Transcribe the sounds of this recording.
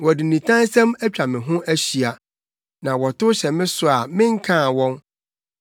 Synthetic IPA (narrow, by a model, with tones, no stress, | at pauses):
wɔ˨dɪ˨nĩ˨tʰã˦n˦sɛ̃˦mæ˦t͡ɕᶣa˨mɪ̃˨ɦʊ̃˦ʔæ˦ɕi˨a˨ | nã˨wɔ˨tʊ˦ɕɛ˨mɪ̃˦sʊ˦a˨mɪ̃˦ŋ̩˦kʰãː˦˨wɔ̃˦n